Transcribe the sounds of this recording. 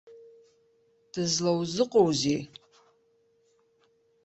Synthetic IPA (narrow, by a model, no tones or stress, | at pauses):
d̥ɨzlawzɨqʼowzi